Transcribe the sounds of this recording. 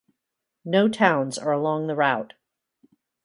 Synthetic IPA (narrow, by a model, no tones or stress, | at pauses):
noʊtʰãʊ̃nzə˞əlɔ̃ŋðəɹaʊt̚